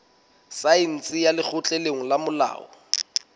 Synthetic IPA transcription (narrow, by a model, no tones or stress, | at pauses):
saɪn̩t͡sʼɪjalɪk͡xʰʊt͡ɬʼeleŋ̩lamʊla̰ːɔ̰